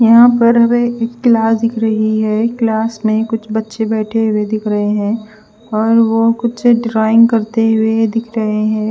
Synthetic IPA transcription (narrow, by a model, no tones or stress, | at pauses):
jɐɦãpɐɾɦɐmeekːlaːsd̪ɪkʰɾɐɦiɦɛːklaːsmẽkʊt͡ʃʰbɐtːʃebɛːʈʰeɦʊwed̪ɪkʰɾɐɦeɦɛ̃ː | ɔːɾʋokʊtseɖɾaːɪ̃ŋɡkɐɾt̪eɦʊed̪ɪkʰɾɐɦeɦɛ̃ː